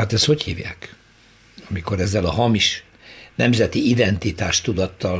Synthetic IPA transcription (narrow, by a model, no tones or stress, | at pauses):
hat̪ɛst̪ho̞chḭːvja̰ːk | ɒmiko̞ɾɛzːɛlɒɦɒmiʃ | nɛmzɛt̪iid̪ɛnt̪it̪aːʃt̪ud̪ɒt̪ːɒl